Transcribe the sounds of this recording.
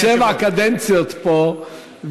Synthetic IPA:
ɛvakad̪ɛnt̪t͡siɔt̪pɔ | v

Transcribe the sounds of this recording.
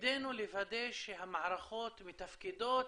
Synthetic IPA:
d̪enulevad̪ejʃeɦamaʕɾaχot̪mit̪afkid̪ot̪

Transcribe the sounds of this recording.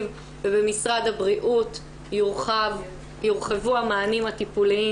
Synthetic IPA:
m | vebe̞misʁadabʁiʔut | juʁχevuamaːnimhat̪ipuli

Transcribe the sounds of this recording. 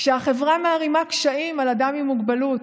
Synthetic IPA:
kʃeaχe̞vʁameːʁimakʃaimalad̪amimuɡbalut

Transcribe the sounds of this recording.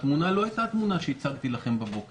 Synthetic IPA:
t̪munalo̞ajt̪at̪munaʃeit͡saɡt̪ilaχe̞mbabo̞k

